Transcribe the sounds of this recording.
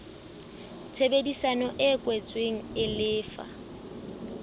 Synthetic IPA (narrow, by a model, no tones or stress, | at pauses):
t͡sʰebedisanɔʔɪkʼwet͡sʼweŋ̩ɪlɪːfa̰